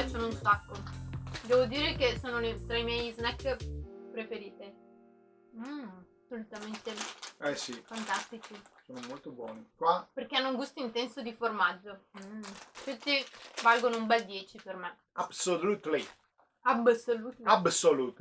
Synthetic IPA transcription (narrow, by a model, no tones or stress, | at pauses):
soːnounsakːod̪ɛːvod̪iːɾekesoːnolet̪ɾaimjɛjznɛkːpɾefeɾiːt̪e | m̩asolut̪ament̪eɛsifant̪ast̪it͡ʃisoːnomolt̪obwɔːnikwaperk̟eanːouŋɡust̪oint̪ɛnsod̪iformad͡ʒːo | fest̪ːivalɡonoumbɛld̪jɛːt͡ʃiperme | absolut̪li | absolut̪absoluːt̪